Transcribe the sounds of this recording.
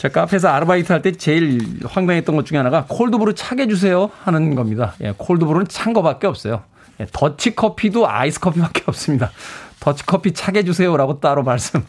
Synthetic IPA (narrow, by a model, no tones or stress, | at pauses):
t͡ɕak͈apʰe̞s̬ʰʌaɾɯbaitʰɯɦaɭt͈et͡ɕe̞iɭɸwaŋd͡ʑaŋɦet͈ʌnŋɡʌt̚t͡ɕ͈uŋeanaɡakʰoɭdɯbuɾɯt͡ɕʰaɡe̞d͡ʑus̬ʰe̞johanɯnɡʌmɲidaje̞̰kʰoɭdɯbuɾonɯnt͡ɕʰaŋɡʌbak͈eʌp̚s͈ʌjo | je̞tʌt͡ɕʰikʰʌpʰidoa̰isʰɯ̥kʰʌpʰibak͈e̞ʌp̚s͈ɯmɲidatʌt͡ɕʰi̥kʰʌpʰit͡ɕʰaɡe̞d͡ʑus̬ʰe̞joɾaɡot͈aɾomaɭs͈ɯm